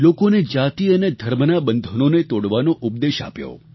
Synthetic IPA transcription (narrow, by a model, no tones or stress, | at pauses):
lokoned͡ʒat̪iəned̪ʱəɾmənabənd̪ʱononet̪oɽʋanoʔʊp̚d̪eʃa̰pjo̰